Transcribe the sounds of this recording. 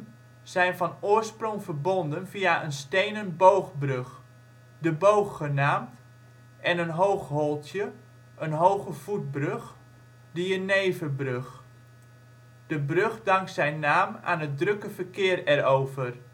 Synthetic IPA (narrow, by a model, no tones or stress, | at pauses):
z̥ɛjnfɑnʊːrsprɔŋvərbondənfiaʔənstejnənbowχbrøx | dəbowxːənaːmt | ʔɛnənɦowxholˠtjə | ʔənɦowɣəv̥ut̚brøx | dijənejvəbrøx | d̥əbrøχdɑŋksɛjnːaːma̰ːnɦət̚drøkəvərkɪːərɛroːvər